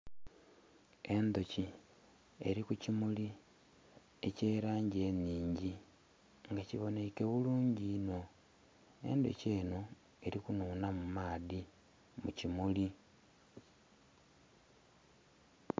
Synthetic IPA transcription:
e̞nd̪o̞ci | e̞̰ɾikucimuli | e̞ceːɾaːɲɟe̞niːɲɟi | ŋɡaciβo̞ne̞ke̞βuluːɲɟiːno̞ | e̞̰nd̪o̞̰ce̞ːno | e̞ɾikunuːnamumaːði | mṵcimuli

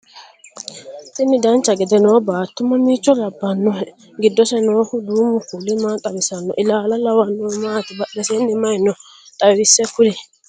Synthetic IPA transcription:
t̪ɪnɪd̪ɐnt͡ʃːɐɡɛd̪ɛnɔːbaːt̪ːʊmɐmiːt͡ʃːɔlɐbːɐnːɔɛ | ɡɪd̪ːɔsɛnoːhʊd̪uːmʊkʊlːɪmaːt̪ʼɐbɪsɐnːɔ̰ʔɪlaːlɐlɐwɐnːɔːmaːt̪ɪbɐɗɛsenːɪmɐjɪnɔ | t̪ʼɐɪsːɛkʊlɪ

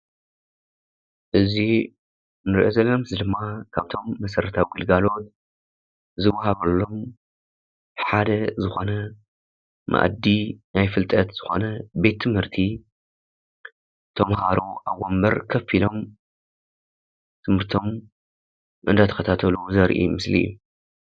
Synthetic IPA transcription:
ʔɨzi | nɨɾiʔozɐlɐmzɨd̪ɨmːakʰaβt̪ʰo̞mːɐsɐɾɐt̪ʰawɡɨlɡalo̞t̪̚ | zɨwːɐhaβɐlːo̞m | ħad̪ɐzɨxo̞nɐ | mʔa̰ʔd̪inajfɨlt̪ʼɐt̪z̥ɨxo̞̰nɐbe̞t̪ʰːɨmhɨɾt̪ʰi | t̪ʰɐmhaɾuʔawombɐɾkʰɐfilo̞m | t̪ʰɨmhɨɾt̪ʰo̞m | ʔɨ̰nd̪at̪ʰɐ̥xɐt̪ʰat̪ʰɐluzɐɾʔḭmɨslḭjːu

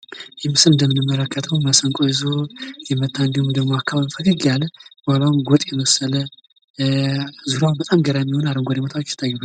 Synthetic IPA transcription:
jɛmɨsɨlɨnd̪əmːɨnɨmːələkːət̪ʰəwmasəŋkʼoɨzojɛmət̪ʰːanɡɨmud̪əɡmo̞akʰːaβaβfəlɨɡalbalawumɡot̪ʼjɛməsːələ | zuɾawubət̪ʼamɡəɾajɛmːiho̞naɾɨmɡoɾɛmot̪ʰawt͡ʃːt̪ʰɨt̪ʰajːɛba

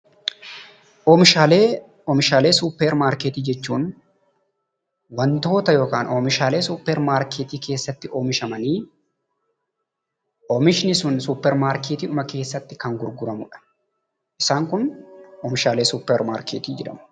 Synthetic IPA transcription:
ɔːmɪʃaːleː | ɔmɪʃaːle̞ːsupːɛɾmaːɾkeːt̪iːd͡ʒɛt͡ʃːuːn | wɐnt̪o̞ːt̪ɐjo̞ːkaːnoːmɪʃaːle̞ːsʊpːɛɾmaːɾket̪iːke̞ːsːɐt̪ːɪoːmɪʃɐmɐniː | ʔomɪʃɪnɪsʊnsʊpːɛɾmaːɾkeːt̪iːʊmɐke̞ːsːɐt̪ːɪkɐŋɡʊɾɡʊɾɐmʊᶑɐ̥ | ʔɪsaːŋkʊnɔːmɪʃaːleːsuːpːɛɾmaːɾkeːt̪iːd͡ʒɛᶑɐ̰mʊ̥

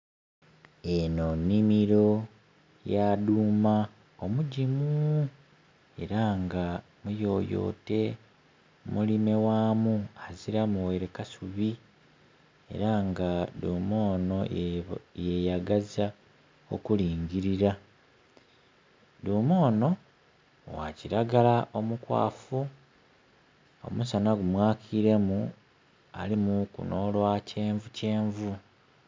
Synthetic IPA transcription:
enonːimiɾo̞ | jaduːma | omuɟimu | e̞̰ɾaŋɡa | mujo̞ːjo̞̰ːte̞ | mulime̞waːmuaziɾamuweɾekasuβi | e̞̰ɾaŋɡad̪uːmo̞ːno̞ | jejaɡaza | o̰kuliːɲɟiɾiɾa | duːmo̞ːno̞ | wa̰ciɾaɡalaʔo̞mukwa̰ːfu | o̞̰musanaɡumwaːkʰiɾe̞mu | a̰limukṵno̞ːlwacʰe̞ːɱvuce̞ːɱvu

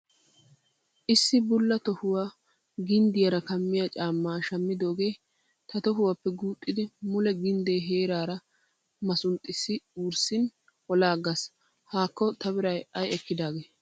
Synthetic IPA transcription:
ʔɪsːɪbʊlːɐt̪ɔhʊwaː | ɡɪnd̪ɪjɐɾɐkɐmːɪjɐt͡ʃʼaːmːaːʃɐmːɪd̪o̞ːɡe̞ː | t̪ɐt̪ɔɦʊwapːɛɡuːkʼːɪd̪ɪmʊlɛɡɪnd̪eːɦeːɾaːɾɐ | mɐsʊnt̪ʼːɪsːɪuːɾsɪn | hɔlaːɡɐs | haːkːɔt̪ɐbɪɾɐjɐjɛkːɪd̪aːɡeː

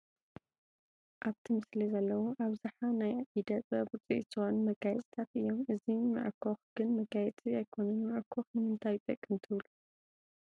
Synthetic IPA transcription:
ʔaβt̪ʰɨmɨslizɐlːɐwoʔaβzaħanajaʔid̪ɐt̪ʼɐbt͡sʼiʔt̪ʰːɨxonmɐɡajɛt͡sʼt̪ʰat̪ɨjːo̞mʔɨzimɨ̰ʔɾkʰoxɡ̥ɨnmɐɡajɛt͡sʼiajkʰo̞nɐnmɨʔɾkʰoxnɨmɨnt̪ʰajt̪ʼɐkʼːɨmt̪ʰɨβlu

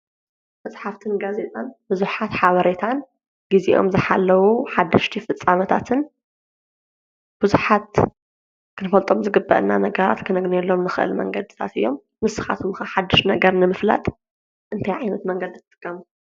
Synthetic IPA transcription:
mɐt͡sʼħaft̪ʰɨnɡaze̞t̪ʼanbɨzuħat̪ħaβɐɾe̞t̪ʰan | ɡ̥iziʔo̞̰mzɨħalːɐwuħad̪ːɐʃt̪ʰifɨt͡sʼːamɐt̪ʰat̪ʰɨn | b̥ɨzuħat̪̚ | kʰɨnɨfɐlt̪ʼo̞mzɨɡɨbːɐ̰ʔɨnːanɐɡɐɾa̰t̪kʰɨnɐɡnelːo̞mnɨxɨʔɨ̰lmɐ̰ŋɡɐd̪ɨt̪ʰa̰t̪ɨjːo̞m | mɨsɨ̥xa̰t̪ʰomɨxɐħad̪ːɨʃnɐɡɐɾnɨmɨfla̰t̪ʼ | ʔɨnt̪ʰajʕajnɐt̪mɐŋɡɐd̪ɨt̪ʰːt̪ʼɨkʰʼːɐmu

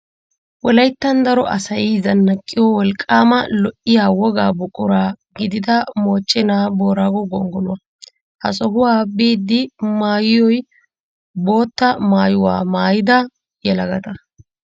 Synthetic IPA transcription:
wɔlɐjt̪ːɐnd̪ɐɾɔʔɐsɐjizɐnːɐkʼːɪjɔwɔlkʼːaːmɐlɔʔɪjaːwɔɡaːbʊkʼːʊɾaːɡɪd̪ɪd̪ɐmo̞ːt͡ʃʼːɪnaːbo̞ːɾaːɡɔɡɔŋɡɔlʊwɐ | hɐ̰sɔɦʊwaːbiːd̪ːɪmaːjɪjɔj | bo̞ːt̪ːɐmaːjʊwa̰ːmaːjɪd̪ɐ | jɛlɐɡɐt̪ɐ

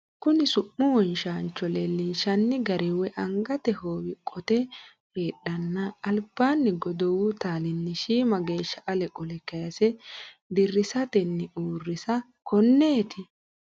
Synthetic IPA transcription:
kʊnɪsʊʔːʊwɔnʃaːnt͡ʃːɔlɛlinʃɐnːɪɡɐɾɪwɛʔɐŋɡɐt̪ɛhoːwɪkʼɔt̪ɛ | heːɗɐnːɐːlb̥aːnːɪɡɔd̪ɔwʊt̪aːlɪnːɪʃiːmɐɡe̞ːʃːɐʔɐlɛkʼɔlɛkːɐjɐsɛ | d̪ɪrːɪsɐt̪ɛnːɪʔuːrːɪsɐ | kʰɔnːe̞ːt̪ɪ

